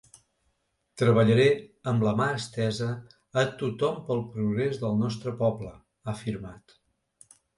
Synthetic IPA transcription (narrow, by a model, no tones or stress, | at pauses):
t̪ɾəβəʎəɾɛəmləmaəst̪ɛzəː | t̪ut̪ɔmpəlˠpɾuɣɾezðəlˠnɔst̪ɾəpɔblə | əfiɾmat̪